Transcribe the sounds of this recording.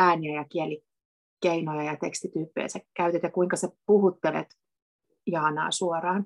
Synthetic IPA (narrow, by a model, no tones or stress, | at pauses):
æːniæjɑkiɛli | keinojɑjɑt̪ekst̪it̪yːpːḛːsækkːæyt̪et̪jɑkuiŋkɑsepuhut̪ːelḛt̪ | jɑːnɑ̰ːsuorɑːn